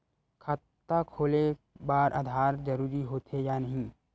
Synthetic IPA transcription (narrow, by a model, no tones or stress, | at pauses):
kʰat̪ː | akʰoːle | baːɾʔaːd̪ʱaːɾd͡ʒəɾuːɾiɦoːt̪ejaːnəɦĩː